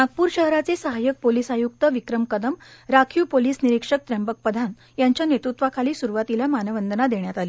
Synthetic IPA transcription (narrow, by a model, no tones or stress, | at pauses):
mat̪̚puːɾɕəɦɾat͡sesəɦajək̚poliːsajuk̚t̪əʋikɾəmkəd̪əmɾakʰiːpoliːsniɾikʂək̚t̪ɾɛmbək̚pəd̪ʱan | jaɲt͡ɕjanet̪ɾut̪ʋakʰaliːsuɾuʋat̪ilamanəʋənd̪ənad̪eɳjat̪aliː